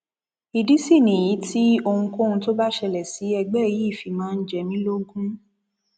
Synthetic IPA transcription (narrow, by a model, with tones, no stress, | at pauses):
i˨di˨˦si˦˨nĩ˨ji˨˦ti˦o˧hũ˧kõ˦˧ũ˧to˦ba˦ʃɛ˧lɛ˨si˨˦ɛ˧ɡ͡bɛ˦˨ji˨˦˨fi˧mãː˦˧n̩˦d͡ʒɛ˨mĩ˦lo˦ɡũ˦